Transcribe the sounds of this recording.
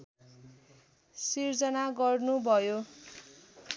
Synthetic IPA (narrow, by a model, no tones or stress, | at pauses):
sird͡zʌnaɡʌrnubʱʌjo